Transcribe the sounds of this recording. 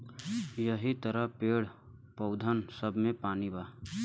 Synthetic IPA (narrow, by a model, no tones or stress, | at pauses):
jəɦit̪əɾəɦpeːɽ | pəʊd̪ʱənsəbʱmẽpaːnibaː